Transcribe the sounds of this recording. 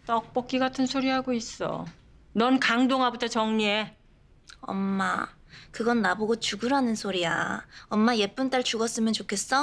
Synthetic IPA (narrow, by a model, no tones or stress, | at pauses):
t͈ʌk̚p͈ʌk͈̚iɡatʰɯnsʰoɾiɦaɡois͈ʌ̰ | nʌnkaŋdoŋɦabutʰʌt͡ɕʌŋɲie | ʌ̰mːa̰ | kɯɡʌnːaboɡot͡ɕuɡuɾɦanɯnsʰoɾia̰ʌmːaje̞p͈unt͈aɭt͡ɕuɡʌs͈ɯmjʌnt͡ɕokʰe̞s͈ʌ